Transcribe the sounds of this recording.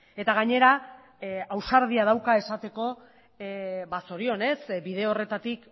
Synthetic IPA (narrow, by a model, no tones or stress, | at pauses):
e̞t̪aɣ̞aɲe̞ɾa | awsaɾð̞iað̞awkae̞sat̪e̞ko̞ | baso̞ɾio̞ne̞sbið̞e̞ore̞t̪at̪ik